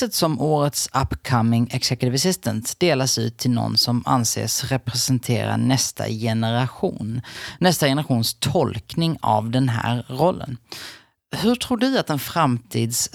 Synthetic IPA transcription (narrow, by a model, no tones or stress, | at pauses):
ət̪sɔmoːɾət̪sapːkʰamːɪŋɛksɛkt̪ɪvɛsɪst̪ənt̪d̪eːlasʉ̟ːt̪ʰːɪlnɔ̰nsɔma̰nsḛːsɾɛpɾɛsɛnt̪ʰḛːɾa̰ɳɛst̪a̰jɛnəɾaɧuːnnːɛst̪ajɛnəɾaɧuːnst̪ʰɔlknɪŋavd̪ɛnɦæ̰ːɾɾɔlːə̰n | hɵʈʰɾuːɖɵat̪ɛnfɾamt̪ʰiːd̪s